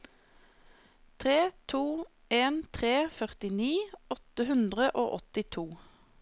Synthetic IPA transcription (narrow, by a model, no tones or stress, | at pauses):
t̪ʰʁeːt̪ʰuː | eːnt̪ʰʁeːfœʁt̪ɪniːɔt̪əhʉnd̪ʁəʔo̰ːʔɔt̪ɪt̪ʰuː